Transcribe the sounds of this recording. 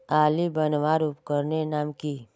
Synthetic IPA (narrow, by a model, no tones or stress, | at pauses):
aːlibənʋaɾupkəɾnenaːmki